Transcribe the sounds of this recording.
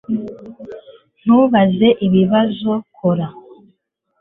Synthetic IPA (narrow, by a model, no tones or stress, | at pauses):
n̥uβaze̞ʔiβiβazokʰoɾa